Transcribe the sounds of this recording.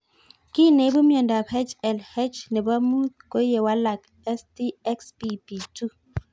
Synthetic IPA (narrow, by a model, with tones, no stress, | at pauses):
ki˦˨ne˨˦bu˦mjɔ˨nda˨phɛ˦t͡ʃɛ˨lhɛ˦t͡ʃnɛ˨ba˦mu˦ko˦je˨wa˦la˨k | ɛ˦sti˦ɛ˦kspi˦pi˨tu˦